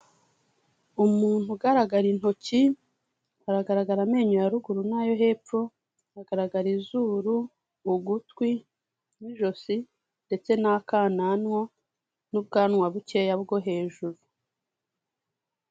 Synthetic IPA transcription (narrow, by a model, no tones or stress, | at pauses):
umuːn̥huɡaɾaɡaɾin̥ho̞ci | aɾaɡaɾaɡaɾame̞ːɲojaɾuɡuɾunaːjo̞ɦe̞ːp͡fo | aɡaɾaɡaɾizuɾuː | ɡutkwi | mwiʒo̞si | nde̞t͡se̞nakaːnanŋo | nub̚ɡaːnŋwaβuce̞jabɡo̞ɦe̞ːʒuɾu